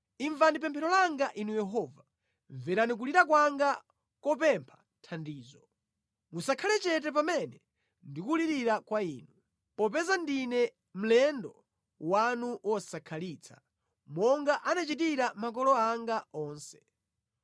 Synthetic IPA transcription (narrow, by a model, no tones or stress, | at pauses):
iɱvandip̬ɛmpʰɛɾɔlaŋɡaʔinujɛɦɔːva | ɱvɛɾanik̬uliɾak̬waŋɡa | kɔpɛmpʰḁ | tʰandiːzɔ | musakʰalɛt͡ʃɛt̬ɛp̬amɛnɛ | ndikuliɾiɾakwaiːnu | pɔp̬ɛzandinɛ | m̩lɛndɔ | wanuwʔɔsakʰaliːt͡sʰḁ | mɔŋɡaʔanat͡ʃitiɾamak̬ɔlɔaŋɡaɔːnsɛ̥